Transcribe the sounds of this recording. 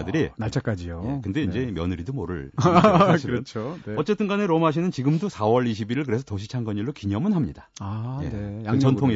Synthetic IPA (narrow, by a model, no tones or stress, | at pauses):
dɯɾinaɭt͡ɕʰak͈ad͡ʑiojekɯnde̞ind͡ʑe̞mjʌnɯɾidomoɾɯ̰ɭʰ | iɾt͡ɕʰoeʌt͡ɕ͈e̞t͈ʰɯnɡaneɾomaɕ̬ʰinɯnt͡ɕiɡɯmdosʰawʌɭiɕʰibiɾiɭkɯɾe̞sʰʌtʌɕʰit͡ɕʰaŋɡʌɲiɭːokiɲʌmɯnɦamɲidaajḛkt͡ɕʌntʰoŋe